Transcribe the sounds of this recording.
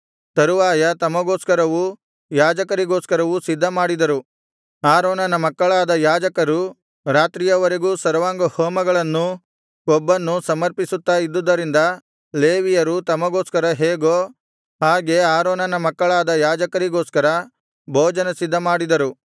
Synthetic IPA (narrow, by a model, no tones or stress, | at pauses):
t̪ɐɾuʋaːjɐt̪ɐmːɐɡoːskɐɾɐʋu | jaːd͡ʒɐkɐɾiɡoːskɐɾɐʋusid̪ʱːɐmaːɽid̪ɐɾu | aːɾoːnɐnɐmɐkːɐɭaːd̪ɐjaːd͡ʒɐkɐɾu | ɾaːt̪ɾijɐʋɐɾeɡuːsɐɾɐʋaːŋɡɐhoːmɐɡɐɭɐnːu | kɔbːɐnːusɐmɐɾpisut̪ːaid̪ːud̪ːɐɾind̪ɐ | leːʋijɐɾut̪ɐmːɐɡoːskɐɾɐɦeːɡo | haːɡe̞aːɾoːnɐnɐmɐkːɐɭaːd̪ɐjaːd͡ʒɐkɐɾiɡoːskɐɾɐ | bʱoːd͡ʒɐnɐsid̪ːɐmaːɽid̪ɐɾu